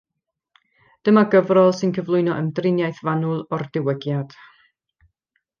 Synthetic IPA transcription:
d̥əmaɡəvrɔlˠsɨnkʰəvlˠʊɨnɔʔəmdrɪnjajθvanʊlˠɔrdɪwəɡjad̥

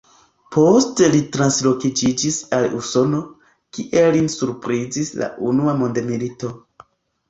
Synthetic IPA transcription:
po̞stelitɾanslo̞kid͡ʒid͡ʒisaluso̞no | kiʔe̞linsuɾpɾizisla̰ʔunuamo̞ndemilito̞

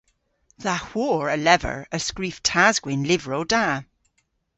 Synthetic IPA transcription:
ðahw̥ɔːɹəlɛvə̰ɹəskɹiˑftʰazɡ̥wɪnlɪvɹoda

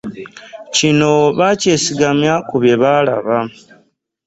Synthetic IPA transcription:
cino̞βace̞ːsiɡamjakuβje̞βala̰βa

